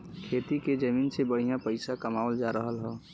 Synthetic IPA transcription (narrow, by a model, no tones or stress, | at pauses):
kʰeːt̪iked͡ʒəmiːnsebəɽ̤ijãpəɪsakəmaːʋəld͡ʒaːɾəɦəlɦɛ̃ː